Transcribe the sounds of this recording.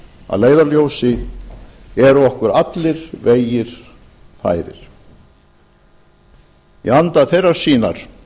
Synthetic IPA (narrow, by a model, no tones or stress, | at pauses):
a̰ðleːjðaljowsɪ | ɛɾɔhkʏɾat̪lɪɾ̥veːjɪɾ̥ | fa̰ːjɾɪ̰ɾ̥ | jɛ̰ant̪aθejrːaɾ̥siːnaɾ̥